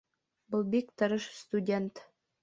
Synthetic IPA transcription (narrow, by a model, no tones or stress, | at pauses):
bɤlˠbikt̪ɤ̆ɾɤʃst̪udʲent̪